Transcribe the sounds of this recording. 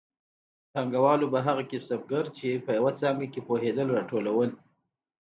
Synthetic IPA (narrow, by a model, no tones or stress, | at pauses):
t̪aŋɡawɑlobaɦaɣakɪsab̚ɡaɾt͡ʃepəjawat͡sɑŋɡakepoɦed̪əlɾɑʈolawən